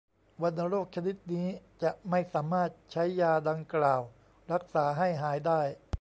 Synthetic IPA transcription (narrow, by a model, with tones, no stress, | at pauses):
wa˧na˧ɾoː˥˩k̚t͡ɕʰa˧ni˦˥t̪̚niː˦˥t͡ɕa˨˩ʔma˥˩jsaː˩˦maː˥˩t̪̚t͡ɕʰa˦˥jːaː˧da˧ŋklaː˨˩w | ɾa˦˥k̚saː˩˦ɦa˥˩jɦaː˩˦jdaː˥˩j